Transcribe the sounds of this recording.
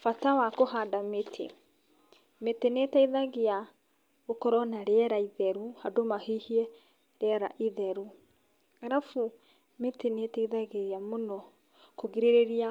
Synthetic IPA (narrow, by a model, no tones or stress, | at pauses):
fatawakoɦadametʰḛ | metenetaiðaɣea | ɣokɔɾɔnaɾeɛɾaiðɛɾuhadomahihiɛ | ɾɛɛɾa̰ʔiðɛɾu | aɾafu | metenetaiðaɣeamonɔ | koɣiɾeɾeɾia